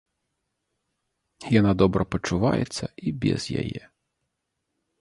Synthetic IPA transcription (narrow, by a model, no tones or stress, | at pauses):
jɔnad̪ɔbɾɔpɔt͡ʃʊʋɑ̰jḛt͡sʲːɐibʲḭzjɐ̰jɛ̰